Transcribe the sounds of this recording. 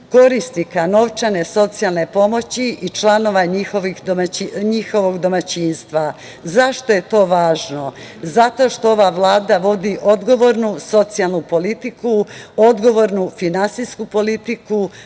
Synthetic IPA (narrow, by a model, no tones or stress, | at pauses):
ko̞ɾist̪nikano̞ʋt͡ʃane̞so̞t̪sialˠne̞po̞mo̞t͡ɕiit͡ʃlˠano̞ʋaixoʋixomaiɲixo̞ʋo̞ɡd̪o̞mat͡ɕiːnst̪ʋa | zaʃt̪oje̞t̪o̞ːʋaːʒno̞ | zat̪o̞ʃt̪o̞oʋaʋlˠaːd̪aʋo̞d̪iʔo̞d̪ɡo̞ʋo̞ɾnuso̞t̪sialˠnupo̞lit̪ikuo̞d̪ɡo̞ʋo̞ɾnufinansiskupo̞lit̪iku